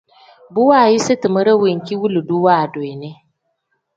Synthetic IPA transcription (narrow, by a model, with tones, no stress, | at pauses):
bʊ˦waː˦˨ji˦si˦tɨ˨mə˦ɾɐ˦wi˨ŋkʲi˦wu˦lu˨du˦waː˦˨do˨e˨ne˦